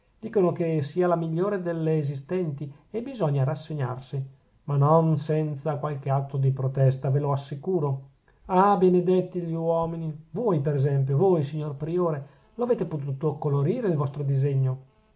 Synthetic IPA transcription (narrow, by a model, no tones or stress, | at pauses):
d̪̥iːkonokesiːalamiʎːoːɾed̪elːeːzist̪ɛnt̪i | ebizɔɲːaɾasːeɲa̰rsi | manonsɛnt̪sakwalkeat̪ɾod̪ipɾot̪ɛst̪aveloasːikuːɾo | abened̪et̪ːiʎiwɔːminivojpeɾɛzɛmp̬jovojsiɲːorpɾioːɾe | loaveːt̪epot̪uːt̪okoloɾiːɾeilvɔst̪ɾod̪izeɲːo